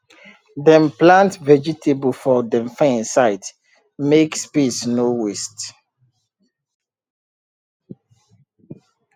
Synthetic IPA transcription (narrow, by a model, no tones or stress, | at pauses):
dɛ̃mplãntvɛd͡ʒitʰebəlfɔdɛ̃mfãnsaɪt | mekspesnowest